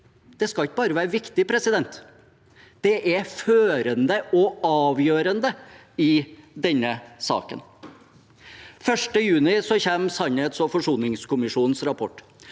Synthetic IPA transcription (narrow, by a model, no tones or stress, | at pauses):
d̪̥ɛskɑlɪkəbɑːɾəʋæːɾəʋɪkt̪ɪpʰɾɛsɪd̪ɛnt̪ | d̪̥ɛʔæføːɾənd̪əɔɑːʋjøːɾənd̪ə | ɪd̪ɛnːəsɑ̰ːkə̰n | fœʂʈəjʉːnɪsɔçeːmsɑnheːt̪sɔfɔʂuːnɪŋskʊmɪʂuːnn̩sɾɑpʰɔʈː